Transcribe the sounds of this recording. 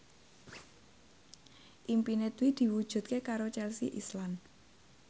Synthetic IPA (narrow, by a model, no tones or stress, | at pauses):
ʔimpinet̪wid̪̥i̤wud̥ʒ̥ṳt̪̚kekaɾot͡ʃɛlsḭʔislan